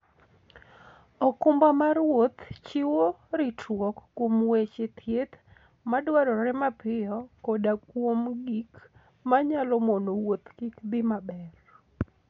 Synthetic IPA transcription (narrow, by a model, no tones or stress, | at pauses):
ɔkʊmbamaɾwot̪t͡ʃɪwoɾɪtwɔkːwomwet͡ʃet̪ʰjet̪ | madwaɾɔɾɛmapɪjɔkodakwomɡik | maɲalɔmonowot̪kikd̪ɪmabɛr